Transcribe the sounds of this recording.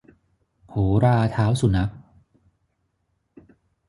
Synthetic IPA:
hoː˩˦ɾaː˧t̪ʰaː˦˥wsu˨˩na˦˥k̚

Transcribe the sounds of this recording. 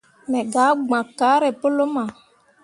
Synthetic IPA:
mɛ˨ɡa˨˦ɡ͡bã˨ka˨˦ɾɛ˨po˦lo˦mã˨

